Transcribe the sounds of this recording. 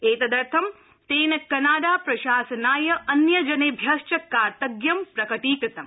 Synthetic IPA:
eːt̪ɐd̪ɐɾt̪ʰɐm | t̪eːnɐkːɐnaːɽaːpɾɐʃaːsɐnaːjɐʔɐnjɐd͡ʒɐneːbʱjaːʃt͡ʃɐkːaːɾt̪ɐɡjɐmpɾɐkɐʈiːkɾɐt̪ɐm

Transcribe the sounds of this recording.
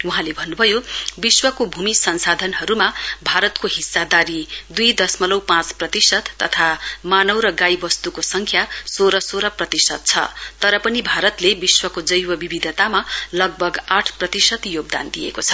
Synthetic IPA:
wuɦãlebʱʌnːubʱʌjobiswʌkobʱumisʌnsad̪ʱʌnɦʌɾumabʱaɾʌt̪koɦisːad̪aɾid̪ujd̪ʌsmʌlʌwpãt͡sprʌt̪isʌt̪ːʌt̪ʰamanʌwɾʌɡajbʌst̪ukosʌŋkʰjasoɾʌsoɾʌprʌt̪isʌt̪̚t͡sʰʌ̰t̪ʌɾʌpʌnibʱaɾʌt̪lebiswʌkod͡zʌjwʌbibid̪ʱʌt̪amalʌɡ̚bʱʌɡaʈʰprʌt̪isʌt̪joɡ̚d̪a̰nd̪ijḛkot͡sʰʌ̥

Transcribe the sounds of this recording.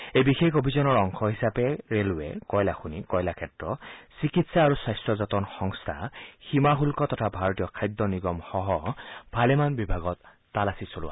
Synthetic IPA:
ejbixexobʱizɔnɔɹɔŋkʰɔɦisapɛɹelwḛkɔjlaxunikɔjlakʰɛtɹɔsikitsaːɹusajstɹɔzɔtɔnxɔŋstʰa̰ximaɦulkɔt̪ɔtʰabʱaɹɔtijɔkʰajd̪ːɔniɡɔmxɔɦɔb̥ʱalɛmanbibʱaɡɔtː | alasisolʊwa̰

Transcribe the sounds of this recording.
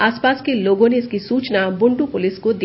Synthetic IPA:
aspaskeloɡoneɪskisuːt͡ʃnabʊɳɖupʊlɪskod̪i

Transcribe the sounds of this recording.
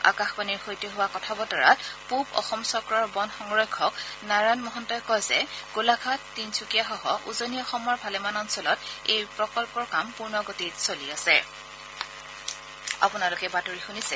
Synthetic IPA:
a̰kaxbaniɹxojtɔɦʊwakɔtʰabɔtɔɹa̰tpubɔ̰xɔmsɔkɹɔɹbɔnxɔŋɹɔjkʰːɔknaɹanmɔɦɔntɔjkɔjzɛɡ̥ulaɡʰʱatːintʰukijaxɔɦɔʔuzoniɔxɔmɔɹbʱalɛmanɔnsɔlɔtejpɹɔkɔlpɔɹkampuɹnɔɡotitsoliasɛ | a̰pʊnalʊkɛbatoɹixunisɛ

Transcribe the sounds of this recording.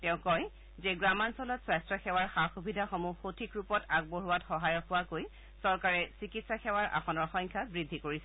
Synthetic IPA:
tɛʊ̃kɔj | zeɡɹamansɔlɔtsajstɹɔxɛwaɹxaxubidʱaxomuxotʰikɹupɔtak̚boɦuwatxɔɦajɔkʊwakoj | sɔɹkaɹɛsikitsaxɛwaɹʔa̰xʰɔnɔɹxɔ̃jŋkʰabɹidʱːikoɹisɛ

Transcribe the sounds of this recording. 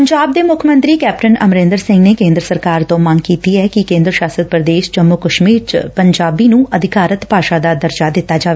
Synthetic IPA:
pəɲd͡ʒaːb̚d̪eːmʊkʰəmə̃nt̪ɾiːkɛːpʈənəmɾẽːnd̪əɾsɪ̃ŋɡneːkẽːnd̪ɾəsəɾkaːɾt̪õːmãːŋɡkiːt̪iːɛːkɪkẽːnd̪ɾəʃaːsəd̪̚pɾəd̪eːʃd͡ʒəmːʊkəʃmiːɾt͡ʃpəɲd͡ʒaːbiːnũːʔəd̪ɪkaːɾət̪paːʃaːd̪aːd̪əɾd͡ʒaːd̪ɪt̪ːaːd͡ʒaːʋe

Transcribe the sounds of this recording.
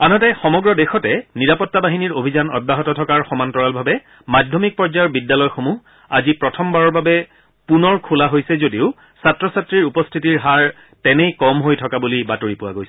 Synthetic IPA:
anɔtɛxɔmɔɡɹɔdexɔtɛniɹapɔtːabaɦiniɹobʱizanɔ̰d̚baɦɔtɔtʰɔkaɹxɔmantɔɹalbʱabɛ | madʱjɔmik̚pɔɹzajɔɹbidːalɔjxomu | azipɹɔtʰɔmbaɹɔɹbabɛ | punɔɹkʰulaɦojsɛzodiʊ | satɹɔsatɹiɹupɔstʰitiɹɦaɹ | tɛnɛjkɔmɦojtʰɔkabulibatoɹipʊwa̰ɡojsɛ

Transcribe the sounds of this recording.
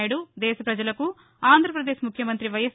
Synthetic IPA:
jɐɽud̪ɛːʃɐpɾɐd͡ʒɐlɐku | aːnd̪ʱɾɐpɾɐd̪eːʃmukʰjɐmɐnt̪ɾiʋɐjɐs

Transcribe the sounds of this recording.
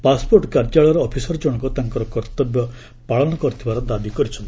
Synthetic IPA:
paspoɾʈkaɾd͡ʒaɭɔɾɔːpʰisɔɾd͡ʒɔɽ̃ɔ̃kɔt̪aŋkɔɾɔkɔɾt̪ɔbjɔ | paɭɔnɔkɔɾit̪ʰibaɾɔd̪abikɔɾit͡ʃʰɔnt̪i̥

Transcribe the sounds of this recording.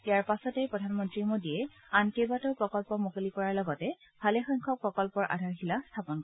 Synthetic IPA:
ijaɹpasɔtɛpɹɔdʱanmɔntɹimodiɛ | ankebatɔpɹɔkɔlpɔmokolikɔɹaɹlɔɡɔtɛ | bʰʱalɛxɔjŋkʰɔk̚pɹɔkɔlpɔɹʔa̰dʱaɹxilastʰapɔnkɔ

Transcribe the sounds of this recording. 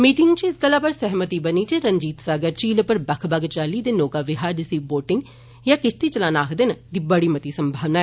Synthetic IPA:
miːʈɪŋɡt͡ʃiɪsɡəlːaːpəɾsɛɦmət̪iːbəniːt͡ʃeɾəɲd͡ʒiːt̪saːɡəɾt͡ʃiːlpəɾbəkʰbaɡt͡ʃaːliːd̪eːnoːkaːʋɪɦaːɾɖɪsiːʋboːʈɪ̃ŋɡ | jãːkɪsʰt̪iːt͡ʃəlãːnaːkʰd̪ɪnd̪iːbəɽiːmət̪iːsəmbʱaːʋnaɛ

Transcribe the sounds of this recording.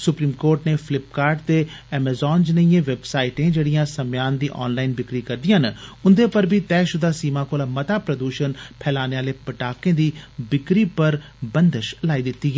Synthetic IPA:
sʊpɾiːmkoːɾʈneːpʰɪlɪp̚kaːɾɖt̪eː | ɛːmɛːzɔːnd͡ʒnəiẽːʋebsaːiʈẽːd͡ʒeːɽijãːsəmjaːnd̪iːʔɔ̰ːnlaːɪnbɪkɾiːkəɾd̪ɪjãːnʊnd̪epəɾbʱiːt̪ɛːʃʊd̪aːsiːmãːkoːlaːmət̪aːpɾəd̪uːʃənpʰɛːlaːneːaːleːpəʈaːkẽːd̪iːbɪkɾiːpəɾ | bənd̪əʃlaːiːd̪ɪt̪ːiːɡɛː

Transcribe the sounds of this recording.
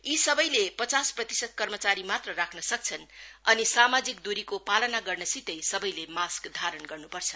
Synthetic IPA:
isʌbʌjlepʌt͡sasprʌt̪i̥sʌd̪̚kʌrmʌt͡saɾimat̪rʌrakʰnʌsʌk̚t͡sʰʌnʌnisamad͡zik̚d̪uɾikopalʌnaɡʌrnʌsit̪ʌjsʌbʌjlemaskd̪ʱaɾʌnɡʌrnupʌrt͡sʰʌ̥

